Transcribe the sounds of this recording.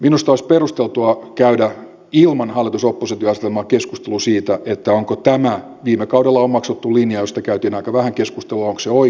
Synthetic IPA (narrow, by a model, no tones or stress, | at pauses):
minust̪oisperust̪elt̪uɑkæydæ | ilmɑnhɑlːˑit̪usopːoset̪iɑsit̪elmɑːkeskust̪elusiːt̪æʔet̪ːæoŋkot̪æmæ | ʋiːmekɑuwdelːɑommɑksot̪ːulinjɑjost̪ɑkæyt̪iːnɑikɑʋæhæŋkeskust̪eluɑoŋkseoi